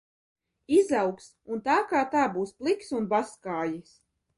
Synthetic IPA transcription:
izawks | unt̪aːkaːt̪aːbuːsplˠiksunbaskaːjis

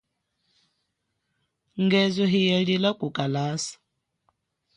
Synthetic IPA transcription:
ŋɡɛzɔɦijɛɺilakʼukʼalaːsḁ

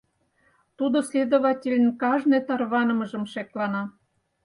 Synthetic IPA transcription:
t̪ud̪ŏsʲlʲed̪oβɑtʲelʲnʲkɑʒnet̪ɑrβɑnɤ̆mɤ̆ʒɤ̆mʃeklɑnɑ

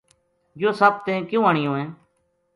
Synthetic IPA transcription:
d͡ʒoːsəb̚t̪ẽːkjõːəɳɪjõːẽː

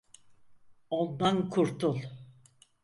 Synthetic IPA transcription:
ond̪ankʰuɾt̪ʰulˠ

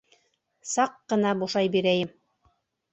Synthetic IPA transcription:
sɑqːɤ̆nɑbuʃɑjbiɾæjɘm

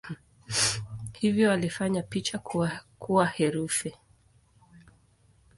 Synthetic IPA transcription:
hivjɔalifaɲapit͡ʃakuwahɛɾufi

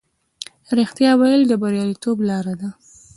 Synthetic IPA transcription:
ɾixt̪jɑwajəld̪əbaɾjɑlit̪oblɑɾad̪a

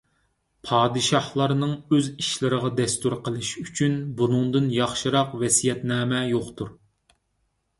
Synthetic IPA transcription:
pʰɑːd̪ɨʃɑhlˠɑɾnɨŋøziʃlɪɾəʁɑd̪ɛst̪uɾqʰəlˠɨʃyt͡ʃʰynbunɨŋd̪ɨnjɑχʃɨɾɑqvɛsijɛt̪nɛːmɛjoqt̪ʰuɾ

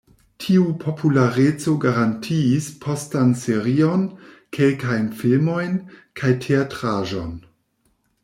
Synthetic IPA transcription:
tʰiupʰo̞pʰulaɾet͡so̞ɡaɾantʰiːspʰo̞stanseɾio̞n | kʰe̞lkajnfilmo̞jnkʰajtʰeatɾaʒo̞n

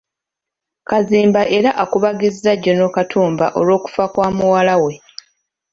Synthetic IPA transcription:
kaziːmbaʔe̞ɾaʔakuβaɡizzaɟːono̞katʰuːmba̰ʔo̞lwo̞ːku̥fakwaːmuwalawe̞

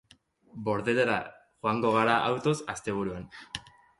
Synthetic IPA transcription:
bo̞ɾðe̞leɾa | xoaŋɡo̞ɣ̞aɾaʔawt̪o̞sast̪e̞β̞uɾuan

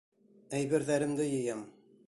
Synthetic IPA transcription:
æjβɘ̆ɾðæɾɘ̆md̪ɘjɤ̆jɤm

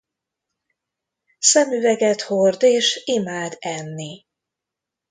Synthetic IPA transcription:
sɛmyvɛɡɛt̪hord̪eːʃimaːd̪ɛnːi

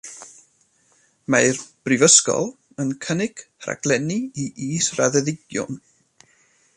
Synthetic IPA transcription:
majrb̥rɪvəskɔ̰lˠ | ənkʰənɪɡ̥ʰra̰ɡ̥lˠɛniiʔiːsra̰ðɛðɪɡ̥jʊ̰n

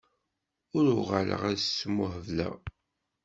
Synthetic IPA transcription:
ʊɾʊʁalə̰ʁæðsmːʊhəvlæ̰

